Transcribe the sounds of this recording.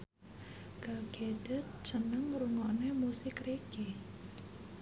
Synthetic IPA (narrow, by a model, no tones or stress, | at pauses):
ɡ̥aɡ̥ed̥ə̤t̪̚t͡ʃənəŋɾuŋɔnemusɪkreɡ̥e